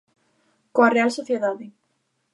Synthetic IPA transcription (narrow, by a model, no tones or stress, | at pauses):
koarealsoθjeðaðɪ